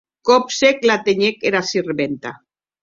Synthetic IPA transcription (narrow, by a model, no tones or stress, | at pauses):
kopseklat̪eɲekeɾasireβent̪a